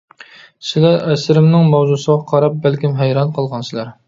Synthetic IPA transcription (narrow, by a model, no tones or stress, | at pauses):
sɪlæɾɛsɪɾɪmnɪŋmɑwzusəʁɑqʰɑɾɑp̚bælkʲimɦæjɾɑnqʰəlˠʁɑnsɪlæɾ